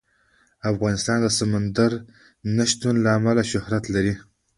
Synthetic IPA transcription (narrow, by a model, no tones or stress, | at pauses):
afɣɑnɪst̪ɑnd̪əsamand̪aɾ | naʃt̪unlaːmalaʃʊhɾat̪laɾi